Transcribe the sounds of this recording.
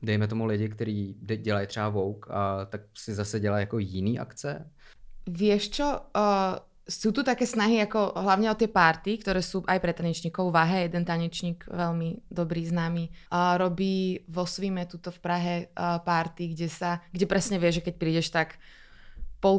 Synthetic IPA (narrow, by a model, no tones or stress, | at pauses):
dɛjmɛt̪ɔmulɪɟɪkt̪ɛɾiːdɛɟɛlajt̪r̥ɛbavɔwka̰t̪ak̚sɪzasɛɟɛlajjakɔjɪniːʔa̰kt͡sɛ | ʋɪɛʃt͡ʃɔ | suːt̪ut̪akɛːsnaɦiakɔɦlaʊɲɛɔt̪ɪɛpaɾt̪ikt̪ɔɾɛːsuːʔajpɾɛt̪ːaɲɛt͡ʃɲiːkɔʊʋaɦɛjɛd̪ɛnt̪aɲɛt͡ʃɲiːɡʋɛlmid̪ɔbɾiːznaːmiːɾɔbiːʋɔsʋimɛt̪ut̪ɔfpɾaɦɛpaɾt̪iɡɟɛsaɡɟɛpɾɛsɲɛʋɪɛʒɛkɛc̚pɾiːɟɛʃt̪ak | pɔ